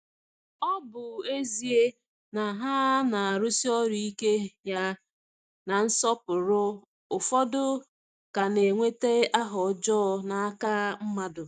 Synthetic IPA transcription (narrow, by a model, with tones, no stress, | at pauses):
ɔ˦bʊ˨e˦zi˨e˦ | na˨ɦa˦na˨a˨ɾʊ˦si˦ɔ˦ɾu˨i˦ke˦ja˦ | na˨n̩˦sɔ˦pʊ˨ɾʊ˦ | ʊ˨fɔ˦dʊ˦ | ka˨ne˨ŋʷe˦te˦a˦ɦɔ˨d͡ʒɔ˦˨na˨a˦ka˦m̩˦ma˦dʊ˨